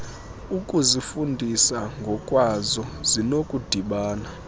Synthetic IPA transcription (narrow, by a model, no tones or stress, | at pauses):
ukʼuzifundʱisaŋɡʱɔkʼwazɔzinokʼud̥ʱiɓaːna